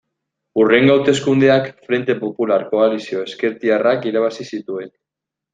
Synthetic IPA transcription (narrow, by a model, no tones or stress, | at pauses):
ure̞ŋɡawt̪e̞skund̪e̞akfɾe̞nt̪e̞po̞pulaɾko̞alisio̞e̞ske̞ɾt̪iarakiɾaβasisit̪ue̞n